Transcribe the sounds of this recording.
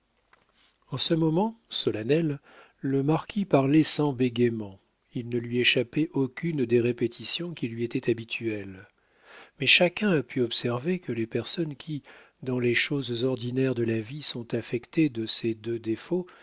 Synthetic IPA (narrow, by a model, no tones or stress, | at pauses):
ɑ̃səmɔmɑ̃sɔlanɛlː | əmaʁkʲʰipaʁlɛsɑ̃beɡemɑ̃ | ilnəlɥieʃapɛʔɔkʲynd̪eʁepet̪ʰisjɔ̃kʲilɥiet̪ɛt̪abit̪ʰyɛl | mɛʃakʲɛ̃apʰyɔpsɛʁvekʰəlepɛʁsɔnkʲʰi | d̪ɑ̃leʃozzɔʁd̪inɛʁd̪əlavisɔ̃t̪afɛkt̪ed̪əsed̪ød̪efo